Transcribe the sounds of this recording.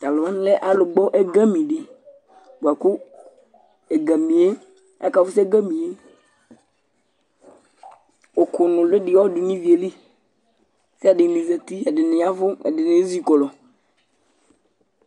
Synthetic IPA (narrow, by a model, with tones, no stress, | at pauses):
t̪a˨lʊ˨a˦n˦lɛ˦ʔa˦lʊ˨ɡ͡bɔ˦ʔɛ˦ɡa˦mĩ˨ɖɪ˨ | bu˨a˨kʊ˦ | ɛ˨ɡa˨mĩ˨e˦ | a̰˦ka˨vʊ˦sɛ˦ɡa˦mĩ˨e˦ | o˨kʊ˨nʊ̃˨lʊ˦ɖɪ˨wɔ˦dʊ˨nĩ˦vi˨e˨li˦ | sɪ˦a˨ɖɪ˨nĩ˨zɛ˨t̪i˦a˨dɪ˨nɪ̃˨a˦vʊ˦ɛ̰˨dɪ˨nɪ̃˨˦zi˦kɔ˨lɔ˨